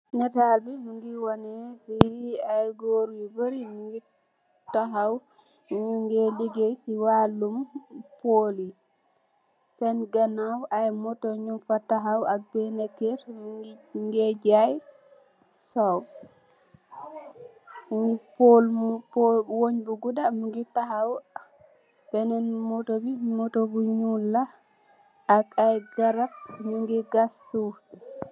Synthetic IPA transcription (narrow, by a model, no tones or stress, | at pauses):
nɛtalbinuŋɡiwɔnefiajɡoɾwibəɾiɲuŋɡi | taɦaw | ɲuŋɡeliɡesiwalːumpoli | sɛnɡanawajmɔtɔɲumfataɦawak̚benekeɾ | ŋɡɛd͡ʒaj | saw | ŋipɔlpowoɲbuɡudamuŋɡitːaɦaw | b̥ɛnɛnmɔtobimɔtobuɲulːa | akajɡaɾafɲuŋɡɛɡasu